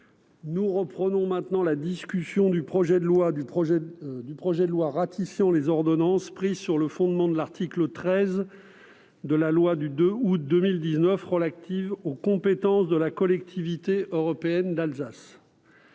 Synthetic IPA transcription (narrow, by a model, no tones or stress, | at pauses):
nuʁəpχənɔ̃mɛ̃t̪nɑ̃lad̪iskʲysjɔ̃d̪ypχɔʒɛd̪əlwaɛd̪ypχɔʒɛd̪əlwaʁat̪ʰifjɑ̃lezɔʁd̪ɔnɑ̃spχizsyʁləfɔ̃d̪mɑ̃d̪əlaʁt̪iklət̪χɛz | d̪əlalwad̪yd̪øut̪̚d̪əmild̪iznœfʁəlat̪ivokɔ̃pet̪ɑ̃sd̪əlakɔlɛk̚t̪ʰivit̪eʔøʁɔpeɛnd̪alzas